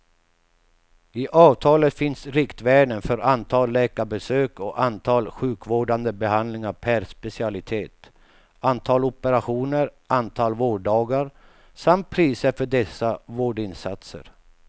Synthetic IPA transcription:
ɪʔɑːvt̪ʰɑːlət̪fɪnsɾɪkt̪vɛːɳənfœɾant̪ʰɑːlːɛːkaɾbɛsøːkɔʔant̪ʰɑːlɧʉ̟ːkvoːɖand̪əbɛɦand̪lɪŋaɾpʰæɾspɛsɪalɪt̪ʰeːt̪ | ant̪ʰɑːlɔpəɾaɧuːnəɾʔant̪ʰɑːlvoːɖɑːɡaɾ | samt̪̚pʰɾiːsəɾfœɖɛsːavoːɖɪnsat̪sə̰ɾ

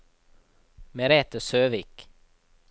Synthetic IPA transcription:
mɛɾɛt̪əsøːvik

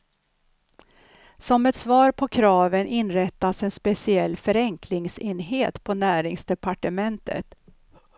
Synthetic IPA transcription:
sɔmɛt̪svɑːɾpʰɔkʰɾɑːvənɪnɾɛt̪ːasɛnspɛsɪɛlːfœɾɛŋkʰlɪŋsenɦeːt̪pʰɔnæːɾɪŋsd̪ɛpaʈəmɛnt̪ʰə̰t̪

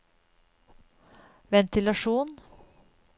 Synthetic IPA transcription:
ʋɛnt̪ɪlɑʂuːn

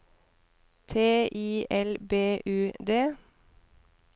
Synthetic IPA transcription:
t̪ʰeːʔiːʔɛlbeːʔʉːd̪eː

